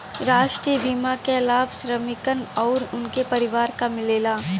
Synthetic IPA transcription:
ɾaːʃʈɾijəbʱiːmakelaːbʱʃɾəmɪkənɔːɾʊnkepɐɾɪʋaːɾkamɪleːlaː

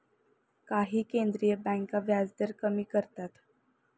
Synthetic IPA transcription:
kaɦiːkend̪ɾijəbɛ̃ŋkaʋjad͡zd̪əɾkəmiːkəɾt̪at̪

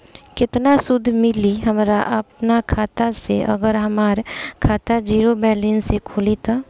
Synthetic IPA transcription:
kɪt̪nasʊd̪ʱmɪliɦɐmɾaʔɐp̚nakʰaːt̪asḛʔɐ̰ɡəɾɦɐmaːɾkʰaːt̪ad͡ʒiːɾobɛːlinsekʰoːlit̪aː

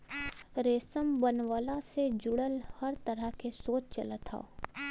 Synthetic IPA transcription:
ɾeːsəmbənʋəlased͡ʒʊɽəlhɐɾt̪əɾəɦkesoːt͡ʃt͡ʃɐ̰lət̪ʰa̰o̰ː

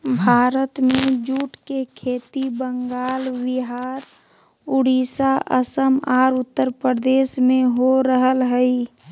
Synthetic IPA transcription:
bʱaːɾət̪mẽd͡ʒuːʈkekʰeːt̪ibəŋɡaːlwɪɦaːɾ | ʊɽiːsaʔə̰səmaːɾʊt̪ːəɾpɾəd̪eːsmẽɦoɾəɦəlɦəi

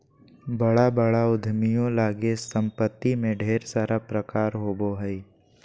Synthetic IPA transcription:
bəɽabəɽaʊd̪ʱmijõlaːɡesə̃mpət̪ːimẽɖʱeːɾsaɾapɾəkaːɾɦoːboɦəi

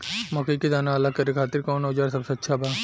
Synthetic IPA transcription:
mɔkeikid̪aːnaɐlakɐɾekʰaːt̪ɪɾkɔːnoːd͡ʒaːɾsɐbseɐtːʃʰabaː

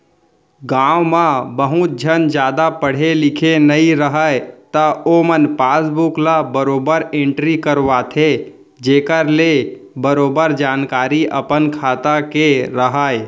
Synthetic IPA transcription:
ɡãwmãbəɦut̪̚d͡ʒʱənd͡ʒaːd̪apəɽ̤elɪkʰenəiɾəɦəjt̪əomənpaːsbuklabəɾoːbəɾẽɳʈɾikəɾʋat̪ʰe | d͡ʒeːkəɾlebəɾoːbəɾd͡ʒaːnkaːɾiʔə̰pənkʰat̪akeɾəɦəj

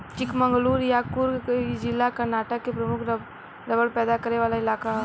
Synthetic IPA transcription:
t͡ʃɪkmə̃ŋɡluːɾjaːkʊɾd͡ʒɪlːakɐɾnaːʈəkːepɾɐmʊkʰ | ɾɐʋəɽpɛːd̪akɐɾeʋaːlaɪlaːkaɦ

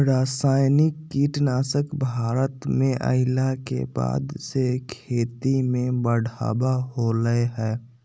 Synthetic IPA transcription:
ɾaːsaːɪnɪkːiːʈnaːsəkbʱaːɾət̪mẽʔə̰ɪlakḛba̰ːd̪sekʰeːt̪imẽbəɽ̤ʱa̰ːbaɦoləeɦɛː

